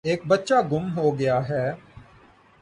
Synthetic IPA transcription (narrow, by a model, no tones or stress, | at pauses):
eːk̚bətːʃaːɡʊmɦoːɡɪjaːɦɛː